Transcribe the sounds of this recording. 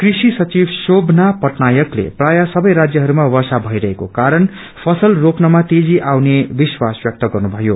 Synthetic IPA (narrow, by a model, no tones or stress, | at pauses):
krisisʌt͡sibʱsobʱnapʌʈnajʌklḛprajʌsʌbʌjɾad͡zjʌɦʌɾumawʌrsabʱʌjɾʌɦekokaɾʌn | pʰʌsʌlropnʌmat̪ed͡ziʔawnebiswasbjʌk̚t̪ʌɡʌrnubʱʌjo